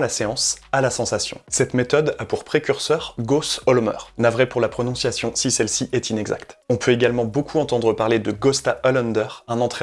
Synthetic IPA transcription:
laseɑ̃salasɑ̃sasjɔ̰̃sɛt̪met̪ɔd̪apuʁpχekʲyʁsœʁɡosɔlmœ̰ʁnavʁɛpuʁlapχɔnɔ̃sjasjɔ̃sisɛlsiʔɛt̪inɛɡza̰kt̪ɔ̃pʰøeɡalmɑ̃bokʰuɑ̃t̪ɑ̃d̪ʁəpaʁled̪əɡɔst̪aʔɔlɛnd̪œʁɛ̃nɑ̃t̪χɛ

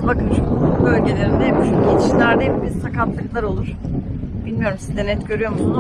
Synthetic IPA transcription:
bakɯʃuubø̞lʲɟe̞lʲe̞ɾind̪ɛɛpijet̪ʰi̥ʃilʲæɾd̪ɛpbisakat̪ːˠaklˠaɾo̞lˠuɾ̥b̥ilʲmijo̞ɾumsizd̪ɛnɛt̪ɟø̞ɾyjo̞ɾmusun

